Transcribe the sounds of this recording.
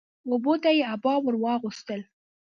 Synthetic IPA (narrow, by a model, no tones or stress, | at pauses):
obot̪ajeabɑwəɾwɑɣust̪əl